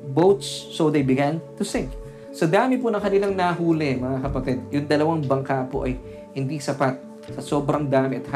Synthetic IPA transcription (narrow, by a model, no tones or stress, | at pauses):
bowt̪sːowd̪ejbɪɡant̪ʊsɪ̃ŋk̚ | sɐd̪aːmɪpunɐŋkɐnɪlaŋnɐɦuːlɛmɐŋakɐpɐt̪ɛd̪̚jʊŋd̪ɐlɐwaŋbɐŋkapoʔɐj | hɪnd̪isɐpat̪̚ | sɐso̞ːbɾɐŋd̪aːmɪʔɐt̪̚h